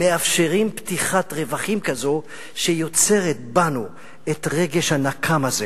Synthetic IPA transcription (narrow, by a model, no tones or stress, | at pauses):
me̞afʃeʁimptiχatʁevaχimkazo | ʃejo̞t͡se̞ʁet̪̚banu | et̪ʁe̞ɡeʃhanakʰamaze